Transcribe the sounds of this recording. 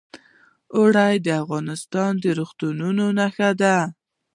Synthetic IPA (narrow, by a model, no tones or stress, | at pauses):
ʊɽajd̪əafɣɑnɪst̪ɑnd̪əɾoxt̪ununonaxad̪a